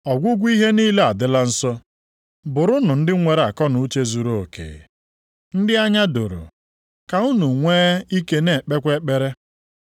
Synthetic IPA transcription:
ɔ˨ɡʷʊ˦ɡʷi˦ɦe˦niː˦le˦a˨dɪ˦la˦n̩˦sɔ˦ | bʊ˨ɾʊ˦nʊ˨n̩˦dɪ˦ŋʷe˨ɾa˨kɔ˦nʊ˨˦t͡ʃe˦zu˨ɾo˦˨o˨kḛː˨ | n̩˦dɪ˦a˦ɲa˦dʊ˨ɾʊ̰˨ | ka˨u˦nu˨ŋʷeː˦i˦ke˦ne˨k͡pe˦kʷe˦k͡pe˦ɾe˦

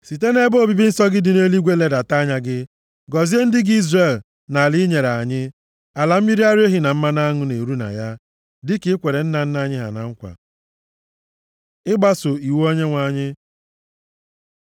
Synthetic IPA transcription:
si˨te˦ne˦bo˦˨bi˦bi˦n̩˦sɔ˦ɡɪ˦dɪ˨ne˦li˦ɡʷe˦le˦da˨ta˦ɲa˦ɡɪ˦ | ɡɔ˨zi˦e˦n̩˦dɪ˦ɡi˦zre˨l | na˨lɪ˦ɲe˨ɾa˨ɲɪ˦ | a˨la˨m̩˦mi˦ɾi˦a˦ɾe˦ɦi˦na˨m̩˦ma˦na˦ŋʊ˦ne˨ɾu˦na̰˨ja˦ | dɪ˦kɪ˦kʷe˨ɾe˨n̩˦na˨n̩˦na˨ɲɪ˦ɦa̰˨na̰˨ŋ̩˦kʷa̰˨ | ɪ˦ɡ͡ba˦sʊ˨i˨wo˦ɲe˦ŋʷa˨ɲɪ˦

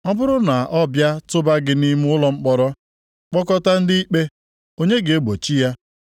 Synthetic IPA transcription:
ɔ˦bʊ˦ɾʊ˦na˨ʔɔ˦bja˦tʊ˦ba˦ɡɪ˦ni˦m˦ʊ˦lɔ˨ŋ͡m̩˦k͡pɔ˦ɾɔ˦ | k͡pɔ˦kɔ˦ta˦n̩˦di˦i˦k͡pe˦ | o˦ɲe˦ɡe˨e˦ɡ͡bo˨t͡ʃi˦ja˦

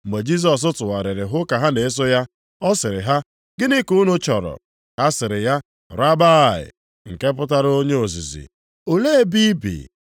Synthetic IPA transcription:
me˨d͡ʒi˦s̬ɔ˨s̬ʊ˦tʊ˨wa˨ɾɪ˨ɾɪ˨ɦʊ˦ka˨ɦa˦ne˨e˦s̬o˦ja˦ | ɔ˦sɪ˨ɾɪ˨ɦa˦ | ɡɪ˦ni˦ku˦nʊ˦t͡ʃɔ˨ɾɔ̰˨ | ha˦sɪ˨ɾɪ˨ja˦ | ɾa˦ba˦˨ɪ̰˨ | ŋ̩˨ke˦p̬ʊ˦ta˦ɾo˦ɲe˦o˨zi˨zḭ˨ | o˨le˦e˦bi˦bḭ˨

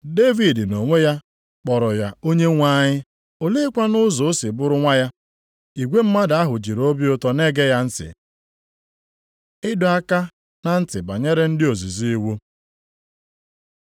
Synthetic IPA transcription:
de˦vi˨dno˨ŋʷe˦ja˦ | k͡pɔ˨ɾɔ˨ja˨o˦ɲe˦ŋʷa˦ɲɪ˦ | o˦le˦kʷa˦nʊ˦zʊ˨˦sɪ˨bʊ˦ɾʊ˦ŋʷa˦ja˦ | i˨ɡʷe˦m̩˦ma˦da˦ɦʊ˨d͡ʒi˨ɾo˦bi˦ʊ˦tɔ˦ne˦ɡe˦ja˦n̩˦sɪ̰˨ | ɪ˦dʊ˨a˦ka˦ | na˦n̩˦tɪ˨ba˨ɲe˦ɾe˦n̩˦dɪ˦o˨zi˨zi˦i˦wo˦

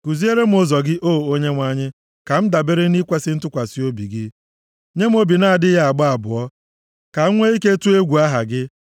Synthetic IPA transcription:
ku˨zi˦e˦ɾe˦m̩˨˦ʊ˦zɔ˨ɡɪ˦ʔo˦˨o˦ɲe˦ŋʷa˦ɲɪ˦ | ka˨m̩˦da˨be˦ɾe˦ni˦kʷe˦sɪ˦n̩˦tʊ˦kʷa˨si˦o˦bi˨ɡɪ˦ | ɲe˦m̩˦o˦bi˨na˦a˨dɪ˦a˦a˨ɡ͡ba˦a˨bʊ˨ɔ˦ | ka˨˦ŋʷe˦i˦ke˦tu˦e˦ɡʷu˨a˦ɦa˨ɡɪ˦

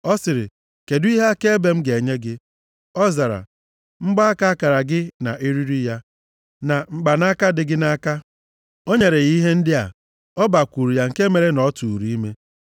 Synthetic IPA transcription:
ɔ˦sɪ˨ɾɪ̰˨ | ke˨dʊ˦i˦ɦa˦a˦ke˦be˨m̩˦ɡe˨ɲe˦ɡɪ˦ | ɔ˦za˨ɾa̰˨ | ŋ͡m̩˦ɡ͡ba˦a˦ka˦a˦ka˨ɾa˨ɡɪ˦na̰˨ʔi˦ɾi˦ɾi˦ja˦ | na˨ŋ͡m̩˦ɡ͡ba˨na˦ka˦dɪ˨ɡɪ˦na˦ka˦ | o˦ɲe˨ɾe˨ɣi˦ɦe˦n̩˦dɪ˦a̰˨ | ɔ˦ba˨kʷu˨ɾu˨ja˨ŋ̩˨ke˦me˨ɾe˦nɔ˨˦tu˨ɾi˨˦i˦me˦

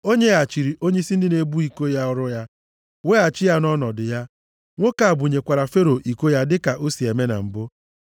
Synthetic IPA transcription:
o˦ɲe˦a˨t͡ʃi˨ɾi˨ʔo˦ɲe˦i˦si˦n̩˦dɪ˦ne˦bu˦i˨ko˦ja˦ɔ˦ɾʊ˦ja˦ | we˦a˨t͡ʃɪ˦ja˦nɔ˦nɔ˨dɪ˨ja˦ | ŋʷo˦ka˨a˨bʊ˨ɲe˨kʷa˨ɾa˨fe˦ɾo˨ʔi˨ko˦ja˦dɪ˦ka˨ʔo˦si˨e˨me˦na̰˨m̩˨bʊ˦

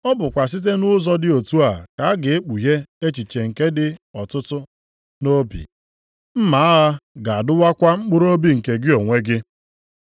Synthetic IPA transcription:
ɔ˦bʊ˨kʷa˨s̬i˦t̬e˦nʊ˦zɔ˦dɪ˦o˨tu˦a˨ka˨a˦ɡɪ˨e˦k͡pu˨ɦe˦e˦t͡ʃi˨t͡ʃe˨ŋ̩˨ke˦dɪ˦ɔ˨tʊ˦tʊ˦ | no˦bḭ˨ | m̩˦ma˨˦a˦ɦa˦ɡa˨a˨dʊ˦wa˦kʷa˦ŋ͡m̩˦k͡pʊ˦ɾo˦bi˦ŋ̩˨ke˨ɡɪ˦o˨ŋʷe˦ɡɪ˦

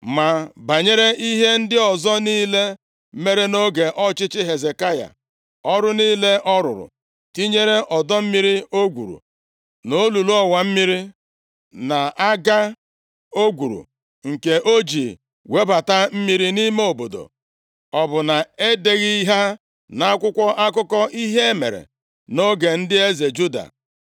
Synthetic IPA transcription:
ma˨ba˨ɲe˦ɾe˦ʔi˦ɦe˦n̩˦dɪ˦ɔ˨zɔ˦niː˦le˦ | me˦ɾe˦no˦ɡe˨ʔɔ˦t͡ʃɪ˦t͡ʃɪ˦ɦe˨ze˨ka˦ja̰˨ | ɔ˦ɾʊ˦niː˦le˦ʔɔ˦ɾʊ̰˨ɾʊ̰˨ | ti˦ɲe˦ɾe˦ʔɔ˨dɔ˦m̩˦mi˦ɾi˦o˦ɡʷṵ˨ɾṵ˨ | no˦lu˨lu˦ɔ˦wa˨m̩˦mi˦ɾi˦ | na˨a˦ɡa˦ | o˦ɡʷu˨ɾṵ˨ | ŋ̩˨ke˨ʔo˦d͡ʒi˨ | we˦ba˨ta˦m̩˦mi˦ɾi˦ni˦me˦o˨bo˨do̰˨ | ɔ˨bʊ˨na˨e˦de˨ɣi˦i˦ɦa˦ | na˨˦kʷʊ˦kʷɔ˦ʔa˦kʊ˦kɔ˦ʔi˦ɦe˦e˦mḛ˨ɾḛ˨ | no˦ɡe˨n̩˦dɪ˦e˦ze˨d͡ʒu˦da̰˨

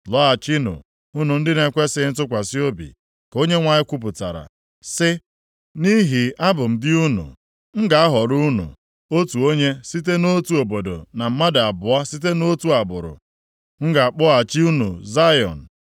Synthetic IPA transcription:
lɔ˦a˨t͡ʃi˦nṵ˨ | u˦nu˨n̩˦dɪ˦ne˨kʷe˦sɪ˦n̩˦tʊ˦kʷa˨si˦o˦bḭ˨ | ko˦ɲe˦ŋʷa˨ɲɪ˦kʷu˦p̬ʊ˨ta̰˨ɾa̰˨ | sɪ˦ | ni˦ɦi˨a˦bʊ˨m̩˨dɪ˦u˦nṵ˨ | ŋ̩˦ɡa˨a˦ɦɔ˨ɾu˦nṵ˨ | o˦tu˨o˦ɲe˦si˦te˦no˦tu˨o˨bo˨do̰˨na˨m̩˦ma˦da˨a˨bʊ˨a˦si˦t̬e˦no˦tu˦a˨bʊ̰˨ɾʊ̰˨ | ŋ̩˦ɡa˨a˨k͡pʊ˦a˨t͡ʃi˦u˦nṵ˨za˦jɔ̰˨n̩˨

